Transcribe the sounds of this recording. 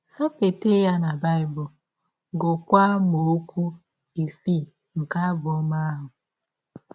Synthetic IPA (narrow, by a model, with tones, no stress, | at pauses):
sa˦pe˨te˦ja˦na˨ba˦ɪ˨bʊ˨ | ɡo˨kʷa˦mo˨˦kʷu˦ | e˨si˦ | ŋ̩˨ka˦bɔ˦ma˦a˦ɦʊ˨